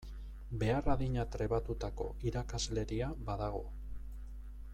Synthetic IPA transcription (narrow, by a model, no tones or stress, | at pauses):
be̞araðiɲat̪ɾe̞βat̪ut̪ako̞iɾakazle̞ɾiabaðaɣo̞